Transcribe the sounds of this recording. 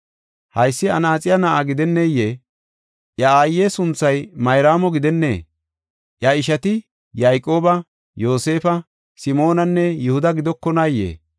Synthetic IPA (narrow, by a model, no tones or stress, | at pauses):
hɐjsːɪɐnaːt͡sʼɪjɐnɐʔaːɡɪd̪ɛnːeːjːeː | ʔjɐaːjːeːsʊnt͡sːɐjmɐjɾaːmɔɡɪd̪ɛnːe̞̰ː | ʔjɐɪʃɐt̪ɪ | jajkʼːo̞ːbɐ | jo̞ːse̞ːfɐ | sɪmo̞ːnɐnːɛjʊhʊd̪ɐɡɪd̪ɔkːɔnajːḛː